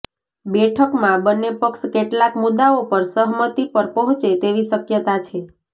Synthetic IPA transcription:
bɛʈʰəkmãbənːepəkʃkeʈlakmud̪aopəɾsəɦmət̪ipəɾpəɦɔ̃t͡ʃet̪eʋiʃəkjət̪at͡ʃʰe

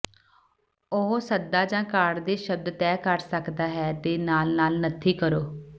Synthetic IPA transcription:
ʊɦsəd̪aːd͡ʒãːkaːɽd̪eːʃəb̚d̪t̪ɛːkəɾsəkd̪aːɦɛːd̪eːnaːlnaːlnət̪ʰiːkəɾoː

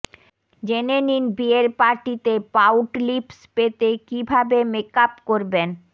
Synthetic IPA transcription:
d͡ʑeneninbieɾpaɾʈit̪epawʈlipspet̪ekibʱabemekapkoɾben

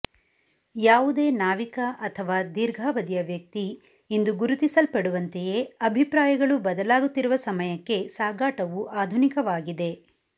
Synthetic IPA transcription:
jaːʋud̪e̞ːnaːʋikɐʔɐt̪ʰɐʋaːd̪iɾɡʱaːʋɐd̪ijɐʋjɐk̚t̪iː | nd̪uɡuɾut̪isɐlpɐɽuʋɐnt̪eje̞ɐbʱipɾaːjɐɡɐɭubɐd̪ɐlaːɡut̪ːiɾuʋɐsɐmɐjɐkːe̞saːɡaːʈɐʋuʔaːd̪ʱunikɐʋaːɡid̪e̞

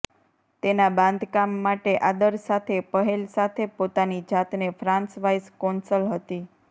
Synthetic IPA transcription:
t̪enabãnd̪ʱkamːaʈeʔad̪əɾsat̪ʰepəɦelsat̪ʰepot̪anid͡ʒat̪nefɾãnsʋajskɔnsəlɦət̪i

